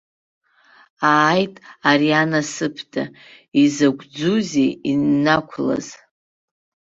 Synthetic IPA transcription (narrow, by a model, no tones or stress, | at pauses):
aːjtʼarianasɨpʰdʰʼa̰ | izaɡʷʼd͡zuzeinːakʷʰla̰z̥